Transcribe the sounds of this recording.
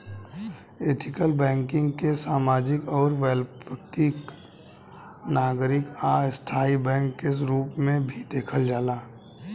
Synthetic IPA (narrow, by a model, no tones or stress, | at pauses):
eːt̪ʰɪkəlbɛ̃ːŋkɪ̃ŋɡkesaːmaːd͡ʒɪkɔːɾʋɛlpəkɪk | naːɡɾɪkaːst̪ʰaːibɛ̃ːŋkːeɾuːpmẽbʱid̪eːkʰəld͡ʒaːlaː